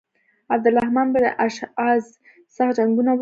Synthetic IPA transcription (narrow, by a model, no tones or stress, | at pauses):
ab̚d̪əlahmɑnbəɾʔaʃɑz | saxd͡ʒaŋɡunaw